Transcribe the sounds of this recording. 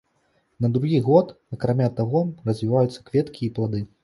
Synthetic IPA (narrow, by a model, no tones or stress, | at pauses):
nɐd̪ɾuɣʲiɣɔt̪ | ɐkɾamʲat̪aɣɔrɐzʲvʲivajut̪sːɐkvʲɛt̪kʲiːplˠad̪ɨ